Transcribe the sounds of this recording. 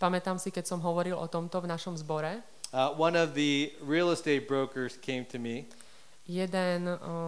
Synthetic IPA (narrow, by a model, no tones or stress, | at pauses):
pamɛt̪amsikɛcsɔmɦɔʋɔɾilʔɔ̰t̪ɔmt̪ɔvnaʃɔmzbɔɾɛ | wʌ̃nʌvðɨɹil̩ˠəsteɪt̚b̥ɹoʊkə˞z̥kʰẽɪ̃mtʰɨmi | jɛd̪ɛn